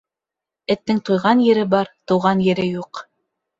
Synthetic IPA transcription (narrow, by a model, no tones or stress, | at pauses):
ɘ̆t̪ːɘŋt̪ujʁɑnjɘ̆ɾɘbɑɾt̪ŭwʁɑnjɘ̆ɾɘjuq